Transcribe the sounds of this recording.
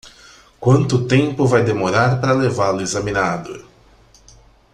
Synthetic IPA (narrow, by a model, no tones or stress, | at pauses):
kwɐ̃nt̪ʊt̪ẽmpʊvajd̪emoɾaɾpaɾɐlevalʊezɐmĩnad̪ʊ̰